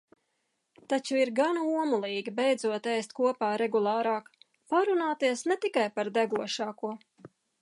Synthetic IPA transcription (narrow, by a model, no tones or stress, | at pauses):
t̪at͡ʃuiɾɡanuɔmulˠiːɡʲibɛjd̪zuɔt̪ɛjst̪kuɔpaːɾɛɡulˠɑːɾɑːk | paɾunaːt̪iɛsnɛt̪ikajpaɾd̪ɛɡuɔʃɑːkuɔ